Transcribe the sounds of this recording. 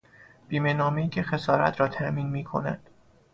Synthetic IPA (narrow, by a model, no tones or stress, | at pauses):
b̥iːme̞nɒːmejiːcʰe̞xesɒːɾæ̰t̪ʰɾɒːt̪ʰæʔmiːnmiːkʰo̞̰næ̰nd̪̥